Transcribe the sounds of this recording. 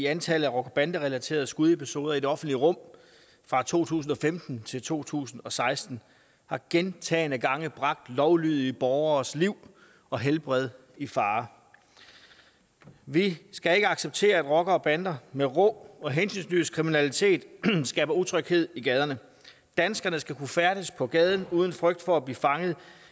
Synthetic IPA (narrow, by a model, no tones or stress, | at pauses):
iænt͡sʰɛləð̩ˠæʁɔ̽ɡ̥ɐb̥ænd̥əʁɛlæt͡sʰe̝̰ːɐð̞̩ˠsɡ̥uð̞ˠe̝pʰiso̝ːðˠɐide̝ɒ̽fn̩d̥liəʁɔ̽m̰ | fʁɑ̈t͡sʰo̝̰ːt͡sʰṵːs̬n̩ɒ̽femd̥n̩t͡sʰe̝lt͡sʰo̝̰ːt͡sʰṵːsn̩ɒ̽sɑ̈ɪsd̥n̩ | hɑ̈ɡ̥ent͡sʰɛ̰ːnəɡ̥ɑ̈ŋəb̥ʁɑ̈ɡ̥̚d̥lɒʊlyð̞ˠiəb̥ɒːʊɐːsliʊ̰ | ɒ̽ɦelb̥ʁɛð̞ˠ | ifɑ̈ː | ʋisɡ̥æe̝ɡ̥əɑ̈ɡ̥seb̥̚t͡sʰe̝̰ːɐæd̥ʁɒ̽ɡ̥ɐːb̥ænd̥ɐmeʁɔ̽ɒ̽ɦensynsnyskʰʁiminælit͡sʰe̝̰ːd̥sɡ̥ɛ̰ːb̥ɐut͡sʰʁœɡ̥he̝ð̞̰ˠiɡ̥ɛːð̞ˠɐnə | d̥ænsɡ̥ɐnəsɡ̥ækʰufæɐɾ̥əspʰɒ̽ɡ̥ɛːð̞ˠn̩uːð̞ˠən̩fʁœɡ̥̚d̥fɒ̽æb̥liːfɑ̈ŋəð̞̩ˠ